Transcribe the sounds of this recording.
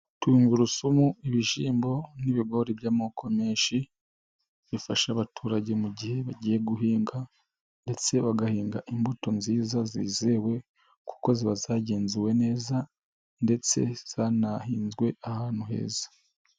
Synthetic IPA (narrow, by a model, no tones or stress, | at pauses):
tuŋɡuɾusumuiβiʃiːmbo̞niβiɡo̞ɾibjaːmoːkʰo̞miːnʃi | βifaʃaβatʰuːɾaɟe̞muɟihe̞βaɟiːjeɡuɦiːŋɡa | nde̞t͡se̞βaɡahiːŋɡaʔimbuto̞nziːzaziːze̞we̞ | kʰu̥ko̞ziβazaɟeːnzuwe̞ne̞ːza | nde̞t͡se̞̰z̥anahiːnzɡwe̞ʔahaːn̥huɦe̞̰ːzḁ